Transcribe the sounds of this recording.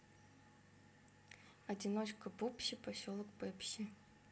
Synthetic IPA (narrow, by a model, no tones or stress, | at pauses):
ɐdʲinot͡ɕkəbupɕɪpɐsʲolˠəkpɛpɕɪ